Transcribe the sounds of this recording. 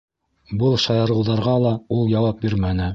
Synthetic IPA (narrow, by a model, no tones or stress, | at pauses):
bɤlˠʃɑjɑ̆ɾɤ̆wðɑɾʁɑlˠɑulˠjɑwɑp̚biɾmænɘ